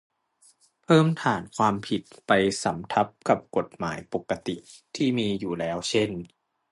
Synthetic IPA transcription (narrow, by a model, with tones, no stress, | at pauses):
pʰɤː˥˩mt̪ʰaː˩˦nkʰwaː˧mpʰi˨˩t̪̚pa˧jsa˩˦mt̪ʰa˦˥p̚ka˨˩p̚ko˨˩t̪̚maː˩˦jpo˨˩kːa˧t̪i˨˩t̪ʰiː˥˩miː˧juː˨˩lɛː˦˥wt͡ɕʰe˥˩n